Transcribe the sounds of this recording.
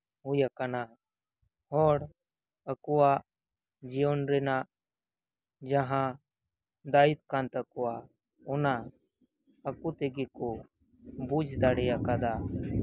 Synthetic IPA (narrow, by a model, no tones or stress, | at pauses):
ɦʊjakana | ɦɔːɽ | əkuwa | d͡ʒijonɾena | d͡ʒaɦã | d̪aːit̪kãnt̪əkuwa | ʊna | əkut̪eɡiku | bud͡ʒd̪aːɽijakad̪aː